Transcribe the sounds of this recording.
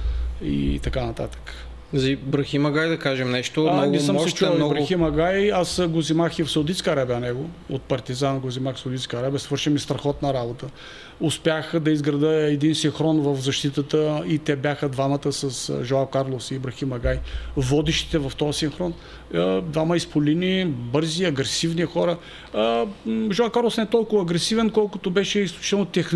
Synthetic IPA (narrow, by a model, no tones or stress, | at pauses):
ḭt̪ɐkanɐt̪a̰t̪ə̥k | zibɾɐximɐɡajd̪ɐkaʒɛmnɛʃt̪omnɔnɡ̪isəmsɛt͡ʃunbɾɐximɐɡajasɡozimaxifsɐwd̪it̪skəɐɾabʲɐnɛɡoot̪̚pɐɾt̪izanɡozʲimaxsɐwd̪it̪skəɐɾabɛɐsvɤɾʃimist̪ɾɐxɔt̪nɐɾabot̪ə | ʊspjaxd̪ɐizɡɾɐd̪əɛd̪insinxɾɔnvɐfzɐʃt̪it̪ət̪əit̪ɛbʲjaxəd̪vamɐt̪əsɐsʒoapkaɾlˠosibɾɐximɐɡajvɔd̪iʃt̪i̥t̪ɛvɐft̪ɔɐsinxɾɔn | əd̪vamɐispolinibɤɾziɐɡɾɛsivnixɔɾə | ʒɔap̚kaɾlˠosnɛt̪ɔlˠkʊvɐːɡɾɛsivɛnkɔlˠkʊt̪obɛʃɛisklʲu̥t͡ʃit̪ɛlˠnot̪ɛx